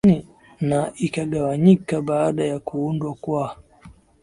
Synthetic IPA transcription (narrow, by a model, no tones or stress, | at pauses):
ni | naʔikaɠawaɲikaɓaːɗajakuundwakwa